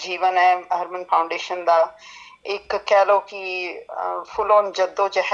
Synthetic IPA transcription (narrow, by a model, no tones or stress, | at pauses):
d͡ʒiːʋənɛːɦəɾmənpʰaːʊ̃ɳɖeːʃənd̪aː | ɪkːɛːloːkɪ | pʰʊloːnd͡ʒəd̪õːt͡ʃəɦ